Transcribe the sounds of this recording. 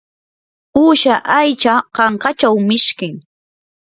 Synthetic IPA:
uːʃaʔajt͡ʃaqɑɴqɑt͡ʃawmɪʃkɪŋ

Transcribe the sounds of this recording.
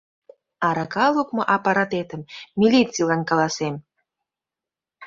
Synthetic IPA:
ɑɾɑkɑlˠukmŏʔɑpɑɾɑt̪et̪ə̆mːilʲit͡sːilˠɑnkɑlˠɑsem

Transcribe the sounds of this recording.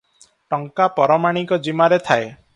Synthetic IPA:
ʈɔŋkapɔɾɔmaɽ̃ikɔd͡ʒimaɾet̪ʰae

